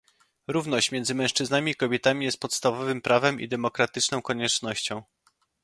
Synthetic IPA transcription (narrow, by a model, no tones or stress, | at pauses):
ɾuvn̪ɔɕt͡ɕmʲɛnzɘmɛ̃ʂt͡ʂɘznamʲiːkɔbʲjɛt̪amʲijɛst̪̚pɔt̪st̪avɔvɘmpɾavɛmḭd̪ɛmɔkɾat̪ɘt͡ʂnɔ̃w̃kɔɲɛt͡ʂnɔɕt͡ɕɔ̃w̃